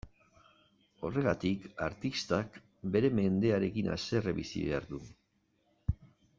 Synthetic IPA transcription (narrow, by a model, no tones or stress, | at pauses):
o̞re̞ɣat̪ikaɾt̪ist̪ak | be̞ɾe̞me̞nd̪e̞aɾe̞kinʔa̰se̞reβḭsḭβe̞a̰ɾðu